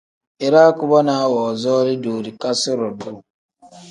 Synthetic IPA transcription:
e˨ɾa˦ku˨˦bɔ˦na˨˦wɔ˨zɔ˦li˦du˨ɾi˨ka˦sɪ˦ɾɔ˨du˦˨

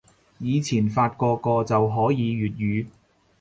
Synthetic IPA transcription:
jiː˨˧t͡sʰiː˨˩nfaː˧t̚kɔː˧kɔː˧t͡sɐ˨wɦɔː˨˥jiː˨˧ɥyː˨t̚jyː˨˧

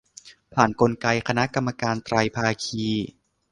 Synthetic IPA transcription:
pʰaː˨˩nko˧nka˧jkʰa˧na˦˥ʔka˧mːa˧kaː˧nt̪ɾa˧jpʰaː˧kʰiː˧

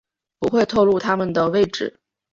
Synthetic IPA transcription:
pu˧˥xwe˥˧ɪt̪ʰo˥˧ʊlu˥˩t̪ʰa˥mə˨nd̪ə˩we˥˧˩ɪʈ͡ʂɻ̩˨˩˦

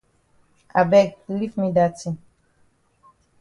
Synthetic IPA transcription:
a˨bɛ˦˨ɡ̚li˦fmĩ˦da˨tĩ˨

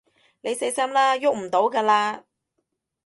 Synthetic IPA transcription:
ne˨˧jse˨˥jsɐ˥mlaː˥jʊ˥k̚m̩˨˩t̪o˨˥wkaː˧laː˧

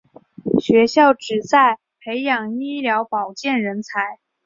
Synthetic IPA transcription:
ɕɥɛ˧˥ɕjɑ˥˩ʊʈ͡ʂɻ̩˨˩t͡sa˥˩ɪ | pʰe˧˥ɪjɑ˨˩ŋi˥ljɑ˧˥ʊpɑ˨˩ʊt͡ɕjɛ˥˩nɻə˧˥nt͡sʰa˧˥ɪ

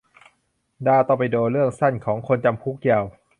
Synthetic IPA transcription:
daː˧˩t̪ɔː˧˩pa˧jdoː˧ɾɯ˥˩əŋsa˥˩nkʰɔː˩˦ŋkʰo˧nt͡ɕa˧mpʰu˦˥˩k̚ji˧˩w

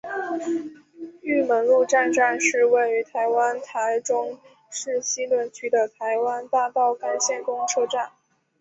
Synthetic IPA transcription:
y˥˩mə˧˥nlu˥˧ʈ͡ʂa˥˧nʈ͡ʂa˥˧nʂɻ̩˥˧we˥˩ɪy˧˥t̪ʰa˧˥ɪwa˥nt̪ʰa˧˥ɪʈ͡ʂʊ˥ŋ | ʂɻ̩˥˩ɕi˥lwə˧˥˩nt͡ɕʰy˥d̪ə˨t̪ʰa˧˥ɪwa˥nt̪a˥˧pɑ˥˩ʊka˨˩ɪɕjɛ˥˩nkʊ˥ŋʈ͡ʂʰɤ˥ʈ͡ʂa˥˩n

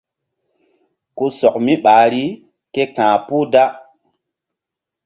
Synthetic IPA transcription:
ku˦sɔ˨k̚mi˦ɓaː˨ɾi˦ | ke˦kãː˨puː˦da˦

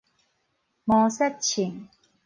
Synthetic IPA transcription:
mɔ˨sɛ˦˥t̚t͡ɕʰi˨˩ŋ

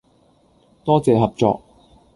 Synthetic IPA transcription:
t̪ɔː˥t͡sɛː˨˧ɦɐ˨p̚t͡sɔ̰ː˧k̚

